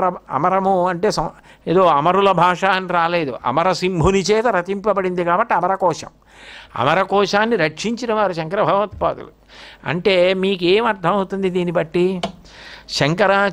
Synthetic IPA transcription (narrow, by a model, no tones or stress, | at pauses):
ɾɐɐ̰mɐɾɐmuɐɳʈe̞ːsɐeːd̪oːɐmɐɾulɐbʱaːʂaːnːiɾaːle̞ːd̪uʔɐ̰mɐɾɐsimbʱunit͡ʃɛːt̪ɐɾɐt̪impɐbɐɽind̪ikaːbɐʈːiɐmɐɾɐkɔːʂɐ̰m | ɐ̰mɐɾɐkɔːʂaːnːiɾɐkʂiɲt͡ʃinɐʋaːɾuʃɐŋkɐɾɐbʱɐɡɐʋɐt̪̚pa̰ːt̪ṵlṵ | ɐ̰ɳʈe̞ːmiːk̬eːmɐɾt̪ʰɐmɐwt̪und̪id̪iːnibɐʈːi | ʃɐŋkɐɾa